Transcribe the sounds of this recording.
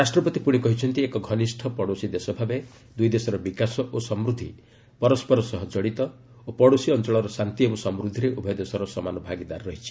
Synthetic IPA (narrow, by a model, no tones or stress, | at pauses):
ɾasʈɾɔpɔt̪ipuɽ̃ikɔɦit͡ʃʰɔnt̪iekɔɡʱɔnisʈʰɔpɔɽosid̪esɔbʱabe | d̪ujd̪esɔɾɔbikasɔʔosɔmɾud̪ʱi | pɔɾɔspɔɾɔsɔɦɔd͡ʒɔɽit̪ɔ | opɔɽosiɔnt͡ʃɔɭɔɾɔsant̪iebɔsɔmɾud̪ʱiɾeʔubʱɔjɔd̪esɔɾɔsɔmanɔbʱaɡid̪aɾɾɔɦit͡ʃʰi̥